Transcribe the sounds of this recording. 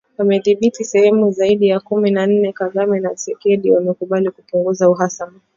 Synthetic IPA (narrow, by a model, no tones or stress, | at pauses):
amɛðiɓitisɛhɛmuzaiɗijakuminan̩nɛkazamɛnasɛkɛɗiwamɛkuɓalikupuŋɡuzauɦasama